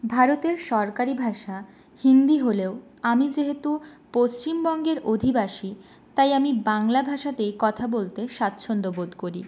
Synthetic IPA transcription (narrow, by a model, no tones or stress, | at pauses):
bʱaɾot̪eɾʃɔɾkaɾibʱaʃa | hind̪iɦoleo | amid͡ʑeɦet̪u | post͡ɕimbɔŋɡeɾod̪ʱibaʃi | t̪ajamibaŋlabʱaʃat̪ejkɔt̪ʰabolt̪eʃat̪ːɕʰond̪obod̪koɾi